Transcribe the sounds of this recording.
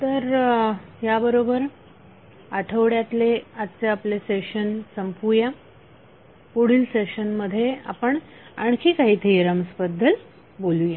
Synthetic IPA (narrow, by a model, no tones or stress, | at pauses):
t̪əɾ | ɦjabəɾobəɾ | aʈʰəʋɽjat̪leatt͡seapleseɕənsəmpuja | poɽ̤iːlseɕənməd̪ʱːjea̰pəɳ | aɳkʰiːkaɦit̪ʰeiɾəməspəd̪ʱːəl | boluja